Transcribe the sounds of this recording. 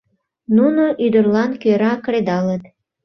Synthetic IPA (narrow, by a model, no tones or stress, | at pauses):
nunoʔyd̪ərlɑnkøɾɑkred̪ɑlət̪